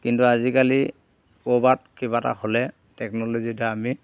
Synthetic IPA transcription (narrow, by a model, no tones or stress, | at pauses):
kintuazikali | kobat̚kiβata̰holɛ | tɛknɔlozitaami